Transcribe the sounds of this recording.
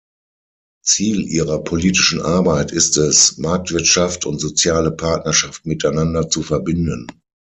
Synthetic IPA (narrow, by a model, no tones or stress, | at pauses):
t͡siːlʔiːʁɐpʰoliːtɪ̥ʃn̩ʔaɐbaɪtɪstɛsmaɐk̚tv̥ɪɐtʃaftʰʊntz̥ot͡sjaːləpʰaɐtnɐʃaftmɪtaɪnandɐt͡sufɛɐbɪndən